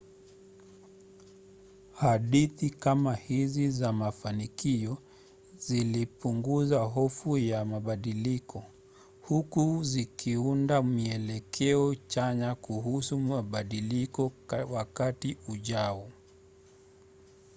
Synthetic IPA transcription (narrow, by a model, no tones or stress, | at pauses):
haɗiθikamahizizamafanikiɔ | zilipuŋɡuzaɦɔfujamaɓaɗilikʰɔ | hukuzikʰiundamiɛlɛkʰɛɔt͡ʃaɲakuɦusumaɓaɗilikɔwakatiuʄaɔ